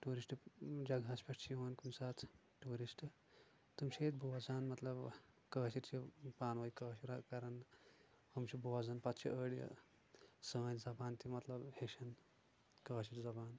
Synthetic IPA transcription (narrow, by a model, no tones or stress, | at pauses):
ʈuːɾisʈd͡ʒɐɡɐspʲɐʂʈt͡ʃʰiʋɐnkumsaːt̪ʰ | ʈuːɾisʈɨ | t̪umʃeːt̪boʋɐzaːnmɐt̪lɐb | kəːʃiɾt͡ʃipaːnʋɐikəːʃiɾakɐɾɐn | hɐmt͡ʃʰiboːɐzɐnpɐt̪t͡ʃʰḭəɽjɐ̰ | səmɐnzɐbaːnt̪imɐt̪lɐbheʃɐn | kəːʃiɾd͡zɐbaːn